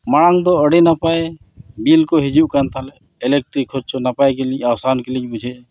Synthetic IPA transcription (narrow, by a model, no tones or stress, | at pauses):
maɽaŋd̪ɔəɽenapae | bilkoɦid͡ʒuʔkant̪ʰalɛ | ɛlek̚ʈɾikʰːoɾt͡ʃonapajkelĩawsankelĩɲbud͡ʒʱe